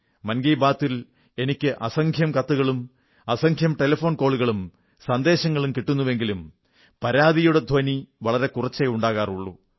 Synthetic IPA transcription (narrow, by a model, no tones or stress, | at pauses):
mɐnɡɐjbaːt̪ːil | e̞nikʲːɨʔɐsɐŋkʰjɐmkɐt̪ːuɣɐɭum | ɐsɐŋkʰjɐmʈe̞lɐfo̞ːnko̞ːɭuɣɐɭum | sɐnd̪e̞ːɕɐŋːɐɭumkiʈːunːuʋe̞ŋɡilum | pɐɾaːðijuɽe̞d̪ʱɐniʋɐɭɐɾe̞kurɐt͡ɕːejuɳɖaːɣaːruɭːṵ